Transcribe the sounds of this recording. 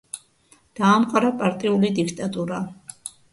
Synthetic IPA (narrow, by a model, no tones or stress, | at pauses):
d̪̥aːmqʼaɾapʼaɾt̪ʼiulid̪ikʰt̪ʼat̪ʼuɾa